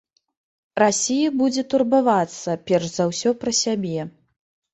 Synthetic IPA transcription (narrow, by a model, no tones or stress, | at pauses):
rasʲijɐbud͡zʲɛt̪urbavat̪sːɐpʲɛrʂzawsʲɔpɾɐsʲabʲɛ